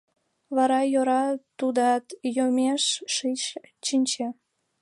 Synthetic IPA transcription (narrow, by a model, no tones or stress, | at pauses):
βɑɾɑjoɾɑt̪ud̪ɑt̪jomeʃːit͡ɕt͡ɕinʲt͡ɕe